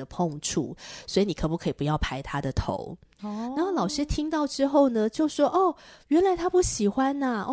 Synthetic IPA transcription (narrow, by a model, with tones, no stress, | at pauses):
ə˩pʰɔ˥˧ŋʈ͡ʂʰṵ˥˩swɔ˧˥i˧ni˨˩kʰɤ˧˥˩pu˧kʰi˨˩pu˧˦jɑ˥˩ʊpʰa˥ɪt̪ʰa˥d̪ə˨t̪ʰo̰˧˥˦ʊ | na˧˦o˥˩lɑ˨˩ʊʂɻ̩˥t̪ʰi˥ŋt̪ɑ˥˩ʊʈ͡ʂɻ̩˥xo˥˩ʊnə˩t͡ɕjo˥˩ʊʂwɔ˥ʔɔ˥˩ɥɛ˧˥nla˧˥ɪt̪ʰa˥pu˥˩ɕi˨˩xwa˦na˨˥˧